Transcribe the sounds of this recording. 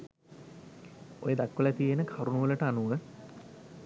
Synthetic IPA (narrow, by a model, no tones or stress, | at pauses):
o̰jed̪akːʋəlat̪ijenəkʰaɾunuʋələʈəanuʋə